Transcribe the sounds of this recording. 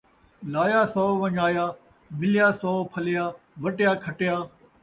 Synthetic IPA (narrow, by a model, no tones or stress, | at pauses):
laːjaːsɔːʋɐ̃ɲaːjaː | mɪljaːsɔːpʰɐlɪjaː | ʋɐʈɪjaːkʰɐʈɪjaː